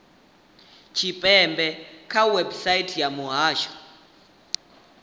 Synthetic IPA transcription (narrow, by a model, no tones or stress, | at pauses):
t͡ʃʰipʼɛmbʱɛkʰawɛbsajitʰjamuɦaːʃɔ̥